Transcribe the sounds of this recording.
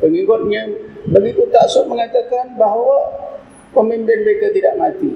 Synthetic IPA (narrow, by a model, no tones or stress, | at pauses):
pəŋiɡʊt̪̚ɲãbaɡik̪ut̪aʔsʊʔ̚məŋat̪akanbaɦawa | pəmimpɪnməɾekat̪idaʔmat̪i